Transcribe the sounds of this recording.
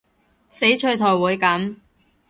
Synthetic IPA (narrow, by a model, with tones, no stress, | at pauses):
fe˨˥jt͡ʃʰɵ˧ɥt̪ʰɔː˨˩wuː˨˧jkɐ˨˥m